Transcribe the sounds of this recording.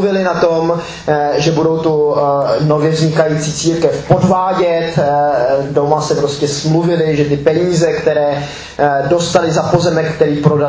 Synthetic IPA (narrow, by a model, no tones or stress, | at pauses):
vɪlɪnat̪o̞m | ʒɛbudo̞wt̪uno̞vjɛvzɲɪkajiːt͡siːt͡siːɾkɛfpo̞dvaːɟɛt̪ | domasɛpɾoscɛsmluvɪlɪʒɛt̪ɪpɛɲiːzɛkt̪ɛɾɛː | do̞st̪alɪzapo̞zɛmɛkkːt̪ɛɾiːpɾoda